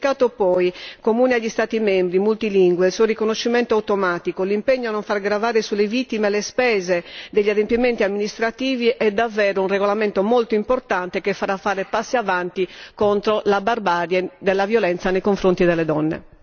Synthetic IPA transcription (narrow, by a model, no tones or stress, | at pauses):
kaːt̪opɔjkomuːneaʎːist̪aːt̪imembɾimult̪iliŋɡweilsuːorikonoʃːimɛnt̪oawt̪omaːt̪ikolimpeɲːoanːoɱfarɡɾavaːɾesulːevit̪ːimeɛlespɛːzed̪eʎːad̪empiment̪iamːinist̪ɾat̪iːviʔɛd̪avːɛːɾounreɣolamɛnt̪omolt̪oimport̪ant̪ekefːaɾafːaːɾepasːiavant̪ikont̪ɾolabarbaːɾjɛd̪ɛlːavjolɛnt̪sanejkoɱfɾont̪id̪ɛlːed̪ɔnːḛ